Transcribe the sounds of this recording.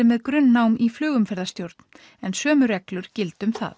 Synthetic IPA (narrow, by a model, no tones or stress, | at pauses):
ɪmɛðkɾʏnːawmiflʏːɣʏmfɛɾðast̪jowɾt̪n | ɛnsœːmʏɾɛklʏɾ̥cɪlt̪ʏmθa̰ð